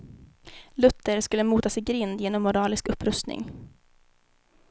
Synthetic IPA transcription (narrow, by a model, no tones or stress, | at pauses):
lɵt̪ʰːəɾskɵlːəmuːt̪asɪɡɾɪnd̪jeːnɔmːʊɾɑːlɪskɵpːɾɵst̪nɪ̰ŋ